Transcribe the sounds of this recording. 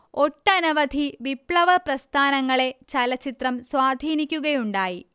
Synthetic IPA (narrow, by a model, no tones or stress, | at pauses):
o̞ʈːɐnɐʋɐd̪ʱiʋipɭɐʋɐprɐst̪ʰaːnɐŋːɐɭe̞t͡ɕɐlɐt͡ɕːit̪rɐmswaːd̪ʱiːnikʲːuɣɐjuɳɖaːji